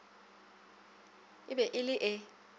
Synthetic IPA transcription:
ɪbɛʔɪlɪʔɛ

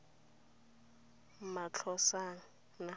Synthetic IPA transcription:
mat͡ɬʰɔsaŋ̩ | na

